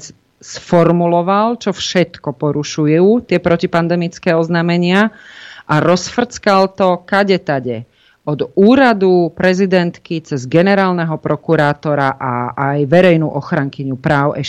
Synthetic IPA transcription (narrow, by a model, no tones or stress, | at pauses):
sfɔɾmulɔʋalt͡ʃɔfʃɛt̪kɔpɔɾuʃujuːt̪ɪɛpɾɔcipand̪ɛmit͡skɛːɔznaːmɛɲɪaʔaɾɔsfr̩t͡skalt̪ɔkaɟɛt̪aɟɛ̰ | ɔd̪uːɾad̪upɾɛzid̪ɛnt̪kit͡sɛzɡɛnɛɾaːlnɛɦɔpɾɔkuɾaːt̪ɔɾaʔaajʋɛɾɛjnuːʔɔxɾaŋkiɲupɾaːʊɛʃ